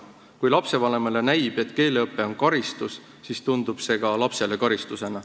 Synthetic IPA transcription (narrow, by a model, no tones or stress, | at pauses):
kujlɑpse̞vɑle̞melenæjb̥e̞t̪ːˑke̞ːleɤpːˑe̞o̞nkɑɾist̪us | sist̪und̪ub̥se̞ɡɑlɑpse̞le̞kɑɾist̪use̞nɑ